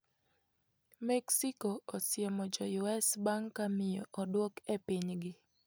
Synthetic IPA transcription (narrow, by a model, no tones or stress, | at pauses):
mɛksikoɔsɪjemɔd͡ʒɔjuɛsbaŋkːamɪjɔʔɔdwokepiɲɡɪ